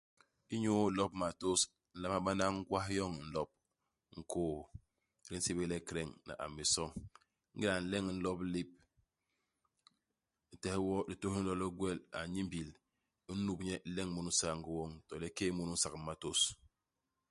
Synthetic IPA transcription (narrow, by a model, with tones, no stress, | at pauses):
i˦ɲu˦˨lɔ˦pma˨to˦s | n̩˦la˦ma˦ɓa˦na˦ŋ̩˦ɡwa˦ɦjɔ˦ŋ˨n̩˦lɔ˦p̚ | ŋ̩˨koː˦˨ | ɾi˦n̩˦si˦be˦lɛ˦kɾɛ˦˨ŋna̰˨ʔa̰˨mːi˨sɔ˦ŋ | ŋ̩˦ɡi˦la˨n̩˦lɛ˦ŋ˨n̩˦lɔ˦pli˦p̚ | n̩˨tɛ˨hi˦wɔ˦di˨to˦hn̩˦lɔ˦lɔ˦ɡwɛ˦la̰˨ɲi˦mbi˨l | u˦nu˨bɲɛ˦˨lɛ˦ŋ˦mu˨nu˦sa˨ŋ˦ɡi˦wɔ˦ŋtɔ˨lɛ˦ke˦mu˨nu˦n̩˦sa˨kma˨to˦s